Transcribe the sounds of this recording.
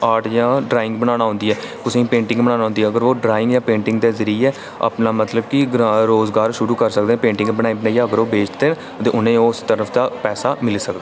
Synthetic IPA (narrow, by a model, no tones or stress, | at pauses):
aːʈjãːɖɾaːɪ̃ŋɡbənaːnaːɦʊ̃ːnd̪iːɛːkʊsẽĩːpẽːɳʈɪ̃ŋɡbənaːnaːʊ̃nd̪iːɛːəɡəɾʋoːɖɾaːɪ̃ŋɡjãːpẽːɳʈɪŋɡd̪eːzəɾiɛː | a̰pnaːmət̪ləbkɪɡɾɾoːzɡaːɾʃʊɾuːkəɾsəkd̪eːpẽːɳʈɪ̃ŋɡbənaːĩːbənaːiːaːəɡəɾoːbeːt͡ʃd̪eːn | t̪eːʔʊnẽːoːst̪əɾəfʰd̪aːpɛːsaːmɪlsəkd̪aː